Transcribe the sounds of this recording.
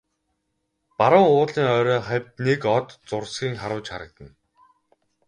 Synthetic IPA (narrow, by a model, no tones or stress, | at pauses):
paɾə̆ŋʊːtɮiːŋœːɾœːχæwʲt̪nekɔt̪t͡sʊrsɡiːŋχaɾʊ̆wt͡ɕχaɾə̆k̚t̪ə̆n